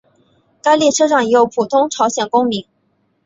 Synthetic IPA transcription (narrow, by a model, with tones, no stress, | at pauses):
ka˥ɪli˥˩ʈ͡ʂʰɤ˥ʂɑ˥˩ŋi˧˥jo˧˥ʊpʰu˨˩t̪ʰʊ˥ŋʈ͡ʂʰɑ˧˥ʊɕjɛ˨˩nkʊ˥ŋmi˧˥ŋ